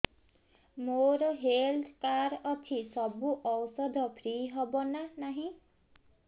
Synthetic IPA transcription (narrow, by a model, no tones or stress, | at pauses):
moɾɔɦeld̪ʰkaɾʌt̪ʰisɔbuʔɔwsɔd̪ʱɔpʰɾiɦɔbonanaɦĩ